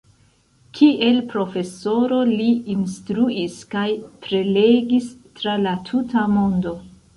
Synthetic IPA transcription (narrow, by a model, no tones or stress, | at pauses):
kʰiʔe̞lpɾo̞fe̞so̞ɾo̞liinstɾuiskajpɾe̞le̞ɡistɾalatʰutamo̞ndo̞